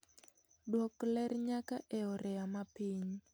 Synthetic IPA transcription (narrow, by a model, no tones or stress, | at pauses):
dwɔklɛrɲakaʔɛɔɾɛamapiɲ